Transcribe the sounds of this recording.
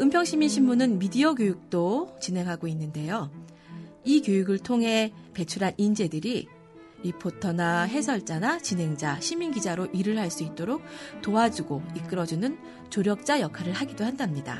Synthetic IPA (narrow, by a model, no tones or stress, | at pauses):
ɯmpʰjʌŋɕʰiminɕʰimːunɯnmidiʌɡjojuk̚t͈ot͡ɕine̞ŋɦaɡoinːɯnde̞jo | ikjojuɡɯɭtʰoŋɦe̞pe̞t͡ɕʰuɾɦanʔind͡ʑe̞dɯɾi | ɾipʰotʰʌnaɦe̞sʰʌɭt͡ɕ͈anat͡ɕinɦe̞ŋd͡ʑaɕʰiminɡid͡ʑaɾoʔiɾɯɭɦaɭs͈uit̚t͈oɾok̚toad͡ʑuɡoik͈ɯɾʌd͡ʑunɯn | t͡ɕoɾjʌk̚t͡ɕ͈ajʌkʰaɾɯɭhaɡidoɦandamɲida̰